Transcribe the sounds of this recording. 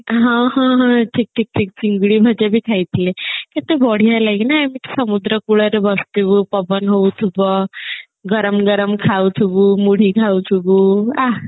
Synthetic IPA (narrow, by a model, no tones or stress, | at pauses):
ɦãɦãɦə̃ʈʰik̚ʈʰik̚ʈʰik̚t͡ɕiŋɡɭiːbʱəd͡ʑabʱiːkʰajt̪leket̪ebɔɽ̤ijalaknamit̪səmud̪ɾəkuɽəɾebəst̪iʋuːpəbənɦowt̪ʰubə | ɡəɾəmɡəɾəmkʰawt̪ʰubuːmuɽ̤iːkʰaut̪ʰubuːa